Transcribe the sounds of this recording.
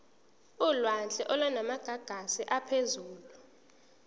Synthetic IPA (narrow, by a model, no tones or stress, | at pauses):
ulwant͡ɬʼɛʔɔlwanamaɡ̥ʱaɡ̥ʱasiʔapʰezuːlu